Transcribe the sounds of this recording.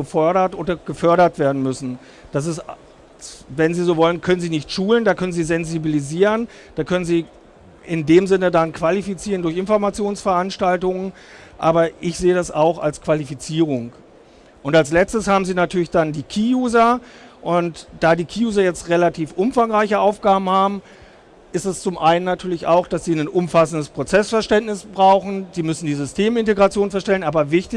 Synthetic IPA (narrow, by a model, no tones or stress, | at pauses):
ɡəfœɐɾɐtʔoːdɐɡ̥əfœɐɾɐtv̥eːɐdn̩mʏsn̩ | d̥as̬ɪs | vɛnziːzoːvɔlənkʰœnənziːnɪçtʃuːləndaːkʰœnənziːzɛnzibiliziːʁən | d̥aːkʰœnənziː | ʔɪndeːmzɪnədankv̥alifit͡siːʁəndʊɐçɪnfɔɐmat͡sjoːnsfɛɐʔanʃtaltʊŋən | ʔa̰ːbɐʔɪçz̥eːədasa̰ʊxa̰lskv̥alifit͡siːʁ̞ʊŋ | ʔʊntalslɛt͡stəshaːbm̩ziːnatʰyːɐlɪçd̥andiːkʰiːjuːzɐʔʊntd̥aːdiːkʰiːjuːzɐjɛt͡stʁelatʰiːfʔʊmfaŋʁaɪçəʔaʊfɡ̥aːbm̩haːbm̩ | ʔɪstɛst͡sʊmʔaɪnənːatʰyːɐlɪça̰ʊxd̥asz̥iːnənʔʊmfasn̩dəspʁ̥ot͡sɛsfɛɐʃtɛntnɪsb̥ʁaʊxn̩z̥iːmʏsn̩diːzʏstʰeːmɪnteɡʁat͡sjoːnfɛɐʃtɛlənʔaːbɐvɪçtɪ